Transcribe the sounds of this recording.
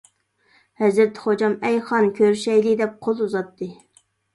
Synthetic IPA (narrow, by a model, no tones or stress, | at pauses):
hɛzɾɪɾt̪ʰːχod͡ʒɑmɛjχɑnkʲʰøɾʃɛjd̪ɪd̪ɛp̚qʰolˠuzɑt̪ʰːɨ